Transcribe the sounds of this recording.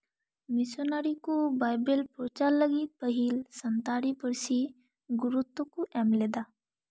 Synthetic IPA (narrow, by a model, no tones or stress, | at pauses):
mɪsonaːɾikubaːjbelpɾot͡ʃaləɡipəɦilsənt̪aːɾipəɾsi | ɡʊɾut̪ːokuʔɛːmleːd̪a